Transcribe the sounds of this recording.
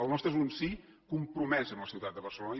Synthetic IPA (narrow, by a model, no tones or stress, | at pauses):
əlˠnɔst̪ɾezunsi | kumpɾumɛzəmləsiwt̪at̪̚d̪əβərsəlonə